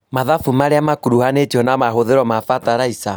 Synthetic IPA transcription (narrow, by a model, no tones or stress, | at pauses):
maðafumaɾeamakuɾuhanetiɔnamaɦoðeɾɔmafataɾaisa